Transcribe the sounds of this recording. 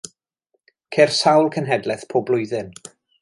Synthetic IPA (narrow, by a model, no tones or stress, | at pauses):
kʰersawlˠkʰənɦɛdlˠɛθpʰoːblˠʊɨðɨn